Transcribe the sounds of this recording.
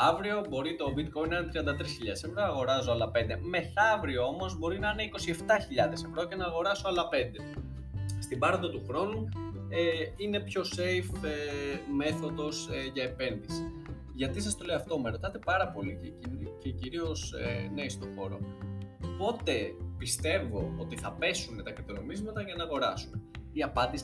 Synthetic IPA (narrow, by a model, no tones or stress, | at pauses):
ɐvɾio̞bo̞ɾit̪o̞bit̪kojnɐnet̪ɾiɐnd̪ɐt̪ɾisçiʎɐesemɾɐːɣo̞ɾɐsoɐlɐpe̞nd̪e̞me̞θɐvɾioo̞mozbo̞ɾinɐine̞iko̞sie̞ft̪ɐçiʎɐðe̞se̞vɾo̞ce̞nɐːɣo̞ɾɐsoɐlɐpe̞nd̪e̞ | st̪ibɐɾond̪ɐt̪uxɾo̞nueine̞pço̞se̞jfeme̞θo̞ðo̞seʝɐepe̞nðisi̥ | ʝɐt̪isɐst̪o̞leoɐft̪o̞meɾo̞t̪ɐt̪e̞pɐɾɐpo̞licceciɾio̞sḛneist̪o̞xo̞ɾo̞̰ | po̞t̪e̞pist̪e̞vo̞ot̪iθɐpe̞sunet̪ɐkɾit̪ono̞mizmɐt̪ɐʝɐnɐːɣo̞ɾɐsumeiɐpɐnd̪is